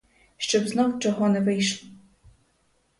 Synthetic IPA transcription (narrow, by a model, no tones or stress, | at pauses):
ʃt͡ʃɔbznɔwʈ͡ʂɔɦɔnɛvɪjʃlˠ